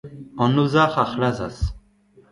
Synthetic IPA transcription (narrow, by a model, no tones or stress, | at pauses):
ɔnuzaχaχɾaza̰s